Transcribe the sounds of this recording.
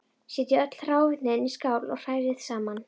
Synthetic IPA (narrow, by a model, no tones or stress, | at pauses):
sjɛːt̪jɪœt̪l̥r̥aːwvɪt̪nɪɛniskaːwlɔ̰ɣr̥aːjɾɪðsaːman